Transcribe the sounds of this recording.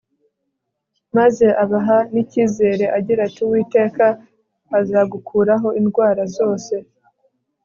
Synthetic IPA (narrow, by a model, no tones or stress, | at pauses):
maze̞ʔaβaɦaniciːze̞ːɾe̞ʔaɟiɾatiwiːte̞ːkaː | zaːɡukʰuːɾaɦo̞ʔinɡwaːɾazo̞ːse̞